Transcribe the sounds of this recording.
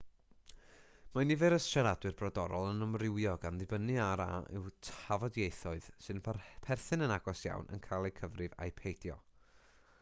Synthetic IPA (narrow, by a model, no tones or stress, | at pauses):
manivɨɾəsʃaɾadwɨrbrɔdɔɾɔlˠənəmrɪwjɔɡanðɨbənɨaɾa̰ɪ̰wtʰavɔdjejθɔɨð̥sɨnəpʰarpʰɛrθɨnənaɡɔsja̰wnʔə̰nkʰajlˠejkʰəvrɨva̰jpʰejdjɔ̰